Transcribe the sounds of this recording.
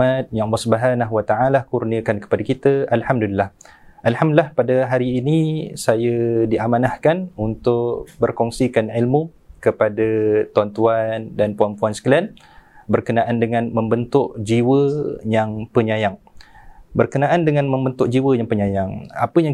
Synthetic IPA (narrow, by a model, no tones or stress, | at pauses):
at̪̚jaŋlɔsəbaɦanaɦwat̪aʔalahkurniəkankə̥padakit̪əalhamdulilːahʔalhamdəlahpadaɦaɾiːnisajədiʔamanahkanunt̪ʊʔbərkɔŋsikanʕilmu | kəpadat̪uant̪uandanpuanpuansə̥kəlɛn | bərkənaʔandəŋãnməmbənt̪ʊʔd͡ʒiwəjaŋpəɲajaŋ | bərkənaʔandəŋãnmə̃mbənt̪ʊʔ̚d͡ʒiwəjaŋpəɲajaŋa̰pəjaŋ